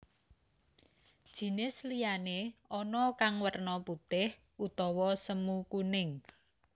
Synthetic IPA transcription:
d̥ʒ̥i̤nɪslijaneɔnɔkaŋwərnɔput̪ɪh | ut̪ɔwɔsəmukunɪŋ

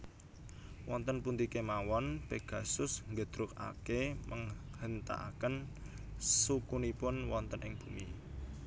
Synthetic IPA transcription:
wɔnt̪ənpunt̪ikemawɔnpeɡ̥a̤sʊsŋɡəd̪̥ɾʊk̚a̰kemʔəŋhənt̪a̰ʔa̰kən | sukunipʊnwɔnt̪ənʔɪŋb̥umi

